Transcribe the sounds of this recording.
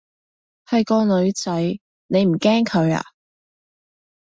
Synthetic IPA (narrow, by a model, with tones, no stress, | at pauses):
hɐ˨jkɔː˧lɵ˨˧ɥt͡sɐ˨˥j | ne˨˧jm̩˨˩kɛː˥ŋkʰɵ˨˧ɥa̰ː˧